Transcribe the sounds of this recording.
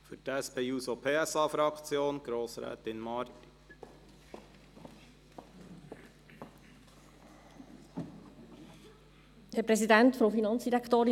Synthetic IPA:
fytɛspʰeːuːsopʰeːɛsɑːfɾɑkt͡sjoːnɡ̥ɾoːsɾɛ̰ːt̪ɪnmɑːɾ | hɛpɾɛsidɛnt̪fofinɑnt͡sd̥iɾɛkʰt̪oːɾi

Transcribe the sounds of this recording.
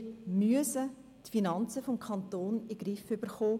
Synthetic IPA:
myəsə | tfinɑnt͡səfomkʰɑnt̪oːniɡ̥ɾɪfyb̥əɾχoː

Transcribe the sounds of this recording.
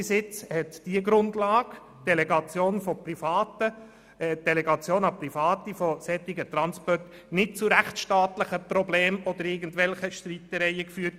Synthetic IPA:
ɪsɪt͡shɛtd̥iəɡɾʊndlɑːɡ | d̥ɛlɛɡɑt͡sjoːnfɔprifɑːt̪ə | ɛd̥ɛlɛɡɑt͡sjoːnɑprifɑːt̪ifɔsɛt̪ːiɡətɾɑnspɔrt | nɪt̚t͡suɾæχt͡sʃtɑːt̪ləχəprɔbleːmɔd̪əɾɪɡən̩tʋɛlχəʃt̪ɾitəɾɛɪəkfyːt

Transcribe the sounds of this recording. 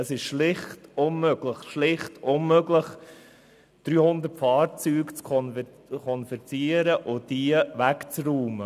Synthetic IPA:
əsɪʃʃlɪχtʊnmøɡləχʃlɪχtʊnmøɡləχ | d̥ɾyːhʊnd̪əɾtfɑːɾt͡syːkt͡skʰɔn | kɔnfɛɾtiəɾəʔod̥iəʋækt͡sruːmə

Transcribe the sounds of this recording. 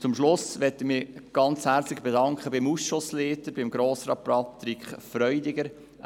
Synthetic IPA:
t͡sʊmʃlʊsʋɛtɪmɪːɡ̥ɑnt͡shæɾt͡slɪχb̥ɛdɑŋkχəbɪmusʃʊsliːtəɾbɪmɡɾoːsɾɑːtpɾɑtt̪ɾikχfɾœʏdɪɡəɾ

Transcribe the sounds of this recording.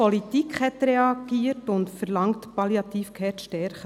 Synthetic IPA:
ɔlitikχhɛtɾɛɑɡ̥iːəɾtʊntfəɾlɑŋtpɑljɑt̪iːfkʰɛtʃtɛɾχə

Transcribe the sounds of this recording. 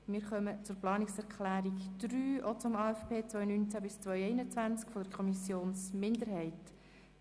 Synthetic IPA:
mɪɾχœmət͡sʊɾplɑːnɪksɛɾkʰlæːɾikd̪̥ɾyːɔt͡sʊmɑːɛfpʰeːt͡svœʏnynt͡sæbɪst͡sʋœʏɛɪnət͡sʋænt͡skfɔd̪əɾkʰɔmisjoːnsmɪnd̪əɾɦɛɪt

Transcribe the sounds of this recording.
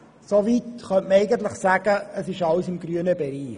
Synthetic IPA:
sovitχœntməɛɪɡənt̪ləχsæːɡ̥əəsɪʃɑlsɪmɡɾyənəbɛɾiː

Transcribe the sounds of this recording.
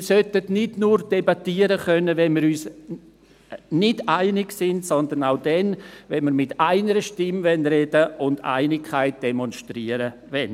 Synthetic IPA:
sœtətnɪdnuɾdɛbatiːəɾəχœnəvɛnmiːɾyːs | nɪdaɪnɪɡsɪndsɔnd̪ənaʊdɛnvɛnməɾmɪtʰaɪnəɾəʃtɪmvɛnrɛdəʊnda̰ɪnɪkʰːaɪt̚d̥ɛmɔnʃtriːəɾə | vɛn

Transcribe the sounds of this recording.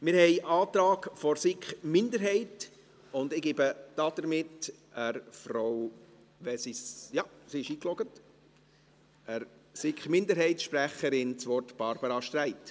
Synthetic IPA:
mɪɾhɛɪʔɑːt̪ɾɑːkfɔɾsɪkχmɪndəɾɦɛɪt | ʊndɪɡ̥iːbəd̥ɑd̥əɾmɪt | ʔəɾfrɔw | ʋɛsisjɑsiɪʃiːklɔɡ̥ət | əɾsɪkχmɪnd̪əɾɦɛɪtsʃpɾæχəɾɪnt͡sʋɔrtb̥ɑɾb̥əɾɑʃtræɪt

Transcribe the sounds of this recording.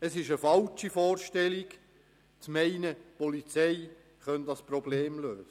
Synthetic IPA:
əsɪʃəfɑlt͡ʃifɔːrʃtɛlik | t͡smæɪnəpɔlit͡sɛɪ | χœndɑsprɔbleːmløːsə

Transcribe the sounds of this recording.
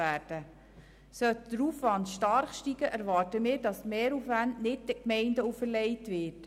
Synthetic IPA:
æːɾd̥ə | sœtdɾuːfʋɑntʃtɑɾχʃtiɡ̥əʔæɾʋɑːrtəmɪːɾdɑsmeːɾufʋæntnɪddəkmɛɪndəufəɾlɛjtʋɪːrt

